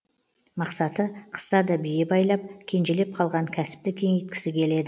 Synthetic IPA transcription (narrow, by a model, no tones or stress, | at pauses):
mɑqsɑt̪əqʰə̥st̪ɑd̪ɑbijebɑjlˠɑp̚kʲʰe̞nʒe̞le̞p̚qʰɑlˠʁɑŋkʲʰæsɪ̥p̚t̪ɪkʲʰe̞ŋet̪̚kʲɪ̥sɪkʲʰe̞le̞d̪ɪ